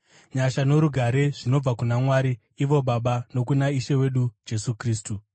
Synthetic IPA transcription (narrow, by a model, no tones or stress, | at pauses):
ɲaʃano̞ɾuɡʱaɾe̞ʐino̞b͡vakunamwaːɾi | iʋo̞ɓaɓano̞kunaiʃewe̞ɗud͡ʒe̞sukriːstu